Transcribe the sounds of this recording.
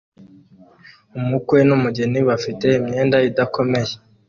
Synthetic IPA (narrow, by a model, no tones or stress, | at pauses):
umukwe̞numuɟeniβafite̞imɲe̞ːndaidakʰo̞me̞je